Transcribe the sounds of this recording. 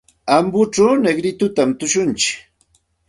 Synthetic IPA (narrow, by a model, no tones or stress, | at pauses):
ambʊʈ͡ʂawneɡɾɪt̪ʊt̪amt̪ʊʃʊnt͡ʃɪ̥k